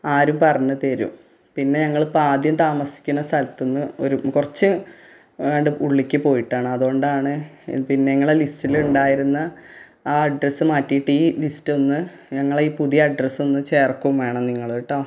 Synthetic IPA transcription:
aːɾumpɐrɐɲːɐt̪eɾṵm | pinːe̞ɲɐŋːɐɭpaːd̪jɐmt̪aːmɐsi̥kʲːunːɐst̪ɐlɐt̪ːunːɨo̞ɾukurɐt͡ɕːɨ | ʋeːɳɖɨuɭːikʲːɨpo̞ːjiʈːaːɳɨɐðuo̞ɳɖaːɳɨ̰pinːe̞ɲɐŋːɐɭelistiluɳɖaːjiɾunːɐ | aːɐɖrɐsɨmaːtːijiʈːiːlistɨo̞nːɨ | ɲɐŋːɐɭiːpuðijɐɐɖrɐsɨo̞nːɨt͡ɕe̞ːrkːumʋeːɳɐmniŋːɐɭoiʈːoː

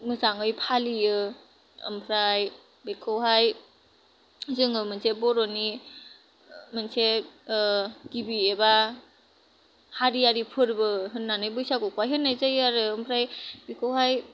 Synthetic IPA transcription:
mɯzaŋɯjpʰaliɯ | ɯ̰mpʰɾaj | bekʰɯwɦaj | zɯŋɯmɯnsebɔɾɔni | mɯnse | ɡibieba | haɾijaɾipʰɯɾbɯɦɯnːanɯjbɯjsakɔkʰwajɦɯnːajzajaɾɯɯmpʰɾajbekʰɯwɦaj

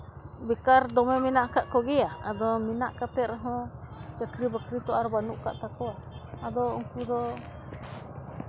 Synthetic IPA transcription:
bikaɾd̪omẽmĩnãʔkaʔkoɣiaad̪omĩnãʔkat̪eɾaɦõt͡ʃakɾiβakɾit̪oaɾβanũʔkat̪akoaad̪oŋkud̪o

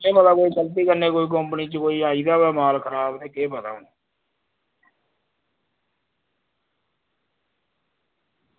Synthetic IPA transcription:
eːmət̪aːkoːiːkəlt̪̬iːkəɾneːkoːiːk̬əmpniːt͡ʃkoːiːaːiːd̪aːʋɛːmaːlkʰəɾaːbt̪eːkeːpət̪a̰ːnː

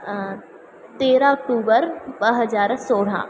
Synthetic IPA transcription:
t̪eːɾãɔk̚ʈuːbəɾbəɦəzaːɾsoːɽ̤ã̰ː

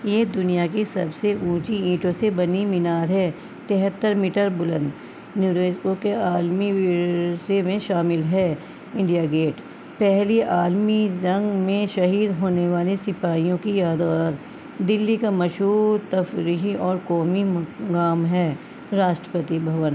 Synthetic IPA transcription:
jeːd̪ʊnijakisɐbseʔũːt͡ʃiĩːʈõsebɐnimɪnaːɾɦɛː | t̪eɦət̪ːəɾmiːʈəɾbʊlə̰̃nd̪ | njuːɾeːd͡ʒkokeaːlmiʋɪsemẽʃaːmɪlɦɛː | ɪ̃ɳɖijaɡeːʈ | pɛɦliʔaːlmid͡ʒɐ̃ŋɡmẽʃɐɦiːd̪ɦoːneʋaːlesɪpaːijõkijaːd̪ʋaːɾ | d̪ɪlːikamɐʃɦuːɾt̪ɐfɾiɦiʔɔːɾkɔːmiɡaːmɦɛː | ɾaːʃʈɾəpət̪ibʱɐʋən

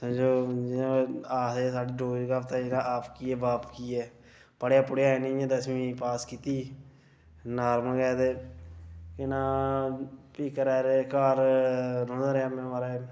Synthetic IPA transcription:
sãd͡ʒoːd͡ʒɪnãːaːseːsaːɖiːɖoːd͡ʒɡaːpʰt̪ãːɪnãːʔaːpʰkiːɛːbaːpʰkiːɛː | pəɽeaːpʊɽeːaːenĩːãd̪əsmĩːpaːskiːt̪iː | naːɾməkɛːd̪eː | kɪnãː | piːkəɾɛːɾeːkaːɾɾʊ̃ːd̪aɾeaːmenːʋaːɾeː

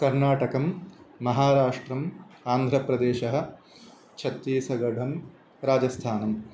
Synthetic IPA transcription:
kɐɾnaːʈɐkɐmːɐɦaːɾaːʂʈɾɐmaːnd̪ʱɾɐpɾɐd̪eːʃɐɦɐ̆ | t͡ʃʰɐt̪ːiːsɐɡɐɖʱɐm | ɾaːd͡ʒɐst̪ʰaːnɐm

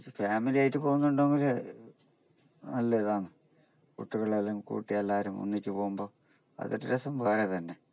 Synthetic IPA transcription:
faːmilijaːjitːɨpo̞ːɣunːuɳɖoːŋoɾe | nɐlːeðaːɳɨ | kṵʈːuɣɐɭɐlːɐŋɡikṵːʈːijaɐlːaːɾumo̰nːikʲːɨpoːɣumbo̞ː | ɐ̰ðo̰ɾiɾɐsɐmʋɐːret̪ɐnːe̞

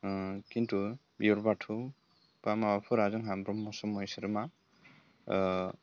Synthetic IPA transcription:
kintʰubijɔɾbatʰu | pamawapʰɯɾazɯŋɦambɾɔmːɔsɔmɔjsɯɾɯma

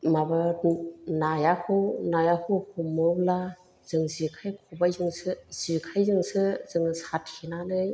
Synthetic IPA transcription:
maba | najahɯwnajahʰɯwhʰumɯbla | z̥ɯŋzikʰajkʰɔbajzɯŋsɯz̥ikʰajzɯŋsɯzɯŋsat̚kʰinanɯj

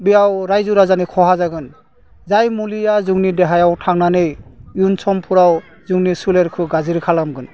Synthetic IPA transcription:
bijawɾajzuɾazanikʰɔɦazaɡɯn | zajmulijazuɡnidɛɦajawtʰaŋnanɯjjunsɔmpʰuɾaw | zuŋnisuleɾkʰɯɡaziɾkʰalamɡɯn

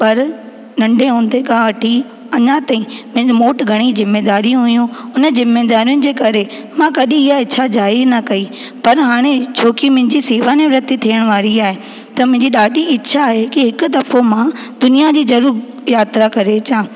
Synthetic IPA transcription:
pɐɾ | nɐ̃ɳɖʱeɦũːn̆d̪ekãʋɐʈʰi | ɐɲãt̪aːĩmʊ̃moːʈɡʱɐɽ̃izɪmːeːd̪aːɾijũɦʊjũʊnəzɪmːeːd̪aːɾijʊnɪ̆d͡ʑeːkɐɾe | mãkɐɗĩɪɦaɪt͡ɕʰad͡ʑaːɪznɐkɐi | pɐɾɦaːɽ̃et͡ɕʰoːkimʊ̃ɦɪ̃ɲd͡ʑisiːʋaneʋɾɐt̪it̪ʰiːəɽ̃ʋaːɾiaːɦe | t̪ɐmʊ̃ɦɪ̃ɲd͡ʑiɗaːɖʱiɪːʃʰaːɦekɪɦɪkʊ̆d̪ɐfomãd̪ʊnijad͡ʑiːzɐɾuːɾ | jaːt̪ɾakɐɾet͡ɕãː

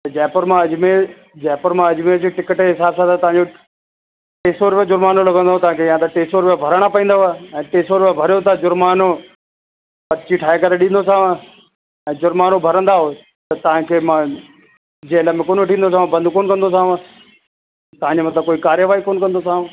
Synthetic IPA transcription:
t̪ɐd͡ʑɛːpəɾmãɐd͡ʑme | d͡ʑɛːpəɾmãɐd͡ʑmeɾd͡ʑiʈɪkəʈɦɪsaːbsat̪ʰet̪ɐɦãɲd͡ʑo | ʈeːsoɾʊʋed͡ʑʊɾmaːnolɐɡə̃nd̪oɦt̪ɐʋãkʰejãt̪ɐʈeːsoɾʊʋebʱɐɾəɽ̃apɐĩːnd̪aɦɛ̃ːt̪eːsoɾʊʋebʱɐɾjot̪ʰad͡ʑʊɾmaːno | pɐt͡ɕiʈʰaːekɐɾeɗĩːnd̪osãːʋ̃ | ɛ̃ːd͡ʑʊɾmaːnobʱɐɾə̃nd̪aɦoː | t̪ɐt̪ɐʋ̤ãkʰeːmã | d͡ʑeːləmẽkoːnoʈʰĩːnd̪osãːbɐ̃nd̪ʱkoːnkɐ̃nd̪osãːʋ̃ | t̪ɐɦãɲd͡ʑomɐt̪ləbkoːikaːɾjəʋaːikoːnkɐ̃nd̪osãː

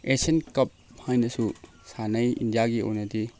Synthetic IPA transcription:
esenkɐp̚hajnɐsu | sanɐjḭndijaɡio̰wnɐdi

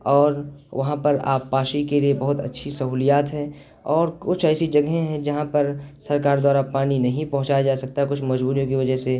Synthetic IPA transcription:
ɔːɾʋɐɦãpɐɾa̰ːpːaːʃikeliebɐɦʊt̪ɐ̰tːʃʰisɐɦuːlijaːt̪ɦɛ̃ | ɔːɾkʊt͡ʃʰɛːsid͡ʒɐɡɦẽɦɛ̃d͡ʒɐɦãpɐɾsɐɾkaːɾd̪waːɾapaːninɐɦĩpɐ̃ɦʊ̃t͡ʃajad͡ʒaːsɐk̚t̪aɦɛkʊt͡ʃʰmɐd͡ʒbuːɾijõkiʋɐd͡ʒəɦse

